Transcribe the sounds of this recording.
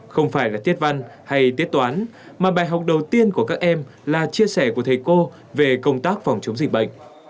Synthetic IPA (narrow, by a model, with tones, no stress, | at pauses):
xə˧wŋ͡mfaː˧˩jlaː˨˩t̪ʰi˦˥ət̚va˧nha˧jt̪i˦˥ət̪̚waː˨˦n | maː˨˩ɓaː˨˩jɦa˨˩wk͡p̚ɗə˨˩wt̪i˧ənku˧˩əkaː˦˥k̚ʔɛ˧m | laː˨˩t͡ɕi˧əsɛ˧˩ku˧˩ət̪ʰjko˧ | ve˨˩kə˧wŋ͡mt̪aː˦˥k̚fɔ˨˩wŋ͡mt͡ɕə˨˦ŋ͡mzï˨˩k̟̚ɓə̰˧˨jŋ̟